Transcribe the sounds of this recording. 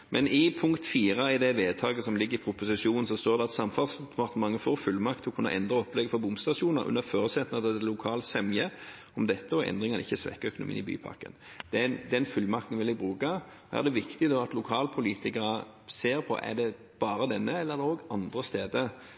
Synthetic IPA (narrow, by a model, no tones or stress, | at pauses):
mʔɛnɪpʰʊŋkt̪fiːʁəɪd̪ɛʋeːt̪ʰɑːɡəsɔmlɪɡːəʁɪpʰɾʊpʊsɪʂuːnn̩sɔst̪oːʁd̪ɛɑt̪sɑmfɑlsd̪ɛpʰɑʁt̪əmɑŋːəfoːʁfʉlmɑkt̪ʰɪɔkʰʉnːɑ̰ʔɛnd̪ʁəɔplɛɡəfɔbʊmst̪ɑʃuːnəɾʔʉ̰nːəføːʁəsɛt̪nɑd̪ɛlʊkʰɑːlsɛmjə | ɔmd̪ɛt̪ːəɔʔɛ̰nd̪ʁɪŋɑnəɪçːəsʋɛ̰kːəœkʊnʊmḭːnɪby̰ːpʰɑ̰ʁkə̰nd̪̥ɛd̪ɛnfʉlːmɑkt̪n̩ʋɪlɛbʁʉːkɑ | æ̰ʁd̪ɛʋɪkt̪ɪd̪ɔɑt̪lʊkʰɑːlpʰʊliːt̪ɪkənɑ | seːʁpʰɔ̰ʔɛ̰ʁd̪ɛ | b̥ɑːɾəd̪ɛnːəɛləɛd̪ɛoːɡɑnd̪ʁəst̪eːd̪ə